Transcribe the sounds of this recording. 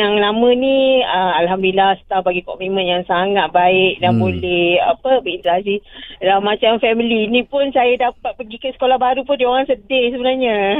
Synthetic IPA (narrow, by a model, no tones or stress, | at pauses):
jaŋnamə̃niəalɦamdilahsə̥t̪ahbaɡikɔ̰mimə̃njaŋsaŋat̪̚baɪk̚danbolɛha̰pəbəint̪əɾasilamat͡ʃamfɛmilinĩpʊnsajadapat̪̚pəɡikəsə̥kolahbaɾupʊndioɾaŋsədɪhsəbənarɲa